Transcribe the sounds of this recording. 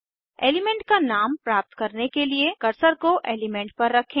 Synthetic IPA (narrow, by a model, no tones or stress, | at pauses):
ḛːlɪmɛ̃ɳʈ̚kanaːmpɾaːp̚t̪kɐɾnekeliekɐɾsəɾkoʔḛːlɪmɛ̃ɳʈ̚pɐɾːɐkʰẽː